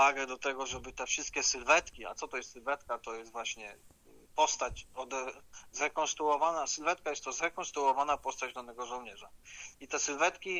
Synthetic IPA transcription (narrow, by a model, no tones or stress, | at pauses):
vaɡɛd̪ɔt̪ɛɡɔʐɛbɘt̪ɛfʂɘst̪̚kʲɛsɘlvɛt̪kʲia̰t̪ɔt̪ɔjɛst̪sɘlvɛt̪kat̪ɔjɛst̪vwaɕɲɛ | pɔst̪at͡ɕɔd̪zɾɛkɔnst̪ɾuɔvanasɘlvɛt̪̚kajɛst̪t̪ːɔzɾɛkɔ̃nst̪ɾuɔvanapɔst̪ad͡ʑd̪anɛɡɔʐɔwɲɛʐait̪ɛsɘlvɛt̪kʲi